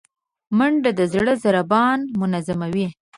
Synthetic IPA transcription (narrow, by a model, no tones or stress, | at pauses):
məɳɖad̪əzɽəzaɾabɑnmʊnazamawi